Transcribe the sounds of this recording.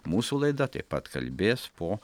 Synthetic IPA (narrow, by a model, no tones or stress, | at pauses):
muːsulˠɛjd̪at̪ʲɛ̰pa̰t̪ka̰lʲbʲespɔ